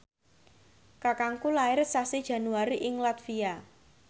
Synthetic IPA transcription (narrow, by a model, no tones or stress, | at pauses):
kakaŋkulaɪrsasid̥ʒ̥a̤nuaɾiʔɪŋlat̪fia